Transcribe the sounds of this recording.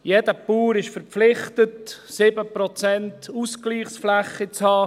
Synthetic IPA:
jedəpuːɾɪʃfəɾpflɪχtətsɪbəpɾɔt͡sɛntuskliːχsflæχːit͡shɑː

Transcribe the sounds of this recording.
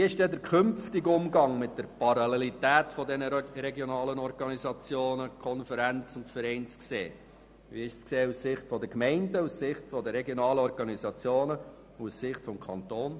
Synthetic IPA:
iɪʃdɛdəɾkʰʏmftɪɡʊmɡɑŋmɪt̚d̥əɾpɑɾɑlelitæːtfɔdɛnəɾɛɡjɔnɑːlənɔɾɡ̥ɑnizɑt͡sjoːnəkʰɔnfəɾænt͡sʊntfəɾɛɪnt͡sksḛː | ʋiːɪʃt͡skseːussɪχtfɔd̪əkmɛɪndəussɪχtfɔdəɾɛɡjɔnɑːləɔɾɡɑnizɑt͡sjoːnə | ussɪχtfɔmkʰɑntoːn

